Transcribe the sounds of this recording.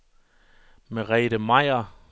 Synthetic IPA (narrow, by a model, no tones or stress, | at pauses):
meʁɛːɾəmɑɪ̰ɐ